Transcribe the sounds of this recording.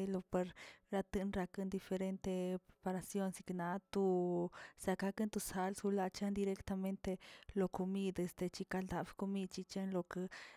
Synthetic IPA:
lo˧pe˧ɾɾa˧t̪ɨ˧nɾa˧kɨ˧nd̪i˧fe˧ɾe˧nt̪e˧pɾepa˧ɾa˧sjo˦˧nsi˧kna˧t̪u˧sa˧ka˧kɨ˦nt̪u˧sa˧lsu˧la˧t͡ʃa˦nd̪i˧ɾe˧kt̪a˧me˦nt̪e˧lo˧ko˧mi˧d̪e˧st̪e˧t͡ʃi˧ka˧ld̪a˨bko˧mi˦d̪̚t͡ʃi˧t͡ʃa˦nlo˧ke˧

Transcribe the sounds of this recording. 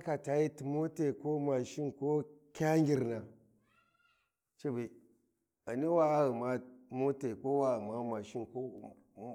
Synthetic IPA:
a˦ka˨ta˨ji˦ti˨mo˦te˨ko˦ma˨ʃi˦nko˦kʲa˦ŋɡʲi˨ɾna˨ | t͡ʃe˦ba˨ | a˨ni˦wa˦a˦ɣi˨ma˦mo˦te˨ko˦wa˦ɣma˦ma˨ʃi˦nko˦

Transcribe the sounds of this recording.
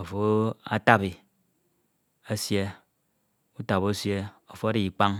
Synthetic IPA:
o˨fo˦a̰˦ta˦bi˨ | a˦sje˦ | u˦ta˨βo˦sje˦o˨fo˦a˦ɾi˨k͡pa˦ŋ

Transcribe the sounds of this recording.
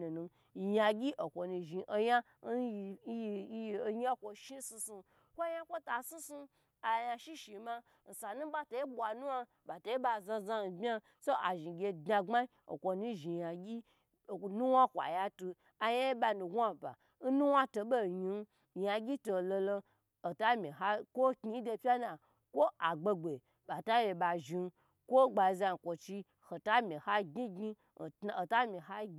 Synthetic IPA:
nu˨nu˧˨ | ja˧ɡʲi˦ʔo˨kʷo˨nu˧ʒi˨ʔo˧ja˦˧˦ | jo˧ɲa˦kʷo˧ʃi˦su˧su˧ | kʷo˦ja˦kʷo˦ta˨si˦su˧ | a˨˧ja˧ʃi˦ʃi˨ma˧ | n̩˨sa˨nũ˦ba˦to˨i˦bʷa˨nũ˦wa˦ | ba˨to˨i˦ba˧˨zã˧za˧n˨bʲa˧ | so˦ʔa˨ʒi˨ɡʲe˧dna˧ŋ͡ma˦i˦o̰˨kʷo˧nu˦ʒi˨ja˨ɡʲi˦˨ | nu˦wa˦kʷa̰˨ja˦tu˧ | a˨ja˦e˦ba˧nu˨ɡʷa˦˨ba̰˨ | n̩˦nu˦wa˦to˧bo˦˨ɲi˨˧˦ | ja˨˧ɡʲi˦to˨lo˧lo˧ | o˨ta˦mʲi˨ɦa˦kʷo˦kʲi˨˦do˧pʲa˦na˨ | kʷo˦a˨ɡ͡be˧ɡ͡be˨ | ba˨ta˦je˧ba˨ʒi˨˧n˦ | kʷo˦ɡ͡ba˨i˧za˧˨kʷo˨t͡ʃi˧ | ho˨ta˦mʲi˨ha˦ɡʲi˦ɡi˦˨ | ta˨o˨ta˦mʲi˨ha˦ɡ

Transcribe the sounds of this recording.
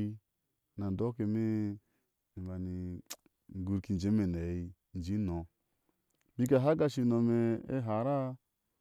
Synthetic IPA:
na˨n˨do˦ke˨me˦˨ | ba˨ni˨ | ɡu˨ɾki˨˧n˨d͡ʒe˨˦me˨ne˨i˧ | n̩˨d͡ʒi˨˦nɔ˨ | bi˦ka˨ɦa˦ɡa˧ʃi˧˨no˨me˧ḛ˦ɦa˨ɾa˦

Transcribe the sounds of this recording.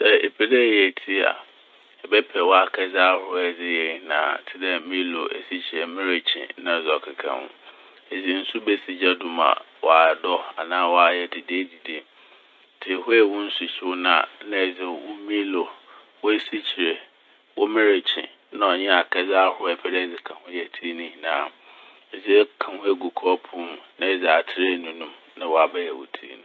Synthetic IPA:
sɛ˦˨e˨pʰɛ˨dɛ˦˨˦ɛ˨tʰi˦a̰˨ | ɛ˨bɛ˦pʰɛ˨wɔ˦a˨kʰɛ˦za˦hʊ˦ɛ˦˨dɪ˦jɛ˨nã̰˨tʰɪ˦dɛ˦mĩ˦lo˨ḛ˨si˦t͡ɕʰi˨ɾe˨mɪ̃˦ɾe˨t͡ɕʰɪ̰̃˨nã˨zɔ˨kʰɪ˨kʰã̰˨nʊ̰̃˦ | e˨d͡zi˨n̩˦su˦bɛ˦si˨d͡ʑa˦dʊ̃˨mã̰˨ | wa˨dɔ˦a˨nãː˦wɔ˦a˨jɛ˦di˨deː˦di˨de˦˨ | tʰɪ˨e˨ɦʊ˦ɛ˨wʊ̃˦n̩˦sʊ˨ɕɪ˦wʊ˦nãː˦˨nã˦ɛ˨d͡zɪ˨wʊ˦mĩ˦lo˨ | wʊ˦e˦si˦t͡ɕʰi˨ɾe˨ | wʊ˦mɪ̃˦ɾe˨t͡ɕʰɪ̰̃˨ | nã˦ɔ˨ɲɛ̃˦a˨kʰɛ˦d͡za˦hʊ˦ɛ˨pʰɛ˦dɛ˦˨d͡zɪ˨kʰã˨hʊ̃˦jɛ˨tʰi˦nʊ̃˦hĩ˨nãː˦˨ | ɛ˨d͡zi˦ɛ˦kʰã˨hʊ̃˦ɛ˦ɡu˨kʰɔ˦pʰũ˦m˨nã˦˨d͡zɪ˨a˨tʰɪ˦ɾe˦˨nũ˦nũ˦m | nã˦wɔ˨a˨bɛ˦jɛ˨wʊ̰˨tʰḭ˦ḭ˦nũ˦

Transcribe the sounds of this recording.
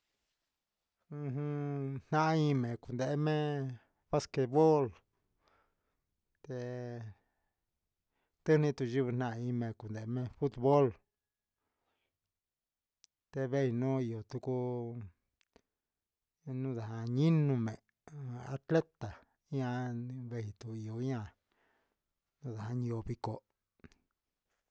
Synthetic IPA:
ũ˧ɦũ˧n̥nã˦ʔa˦ĩ˧mẽ˨ku˨nd̪e˧ʔe˦mẽ˦ | βa˦ske˧˨βo˦l | t̪e˧ | t̪ɨ˦nĩ˦t̪u˧ʒi˦βɨ˧n̥ã˧a˧ĩ˧mẽ˧ku˨nd̪e˨˧˦mẽ˦fu˦t̪βo˦l | t̪e˧βe˦i˧nũ˦i˧o˨t̪u˧ku˦ | nũ˦ða˨ha˧ɲĩ˦nũ˧mẽ˨ | a̰˧t̪le˦t̪a˨˦ | ã˧βe˧i˧t̪u˧i˧˨o˨˦ã˧ | nũ˦ða˨a˧ɲĩ˧o˧βi˧ko˧

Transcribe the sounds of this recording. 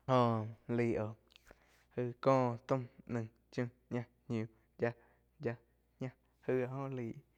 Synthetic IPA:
hõ˧˨liː˨ʔo˨ʔ | hɨ˧kɔ̃ː˦˨ʔt̪ũ˦mnɨ̃˧˨ŋ | t͡ʃũ˧ | ɲã˦˧ | ɲũ˧ | d͡ʒa˧ | d͡ʒa˧ | ɲã˦˧ | hɨ˧˨a˧ʔhõ˦˨liː˨ʔ

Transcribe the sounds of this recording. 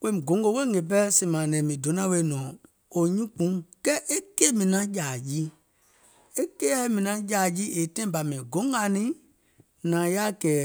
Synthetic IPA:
kẽ˦mĩ˨ɡõ˨ŋ˦ɡo˧˦we˦ŋe˨p̬ɛ˦sĩ˨mã˨nɛ̃˨mĩ˨do˨˦nã˦we˧˨˦nɔ̃ː˨ | o˨ɲũ˦k͡pũ˨˦kɛ˦ʔe˦ke˦mĩ˨nã˦jaː˨ji˦ | e˦ke˦a˦mĩ˨nã˧jaː˨ji˦ʔe˨tɛ̃˦ĩ˦ba˨mɛ̃˨ɡõ˨˦ŋ˦a˨nĩ˦ | nã˨ja˦kɛː˨˦

